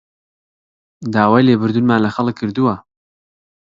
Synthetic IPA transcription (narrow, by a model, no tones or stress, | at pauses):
d̪aːwaːjleːbɨɾd̪unmaːnlɐxɐlɨkʰːɨɾd̪uwɐ